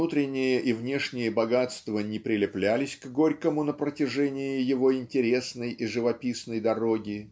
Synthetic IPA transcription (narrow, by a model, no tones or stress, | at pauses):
ut̪ɾʲɪnʲːɪjəʔivnʲe̞ʂnʲɪjəbɐɡat̪st̪vənʲɪpɾʲɪlʲɪplʲælʲɪsʲkɡo̞ɾʲkəmʊnəpɾətʲɪʐɛnʲɪjɪjɪvo̞ɪnʲtʲɪɾʲe̞snəjiʐɨvɐpʲisnəjd̪ɐɾo̞ɡʲɪ